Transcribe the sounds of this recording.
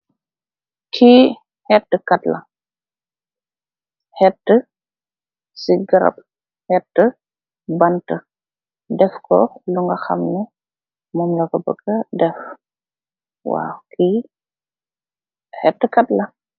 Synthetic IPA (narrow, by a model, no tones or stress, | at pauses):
kʰiː | hɛtːəkɐtlɐ | hɛtːə | siɡɐɾɐ̰p̚ | hɛtːə | bɐntə | dɛfkɔ̰luŋɡɐxɐ̰mnɛ | mɔmlɐkɔbə̰ɡɐdɛf | wa̰ːkʰi | hɛtːəkɐtlɐ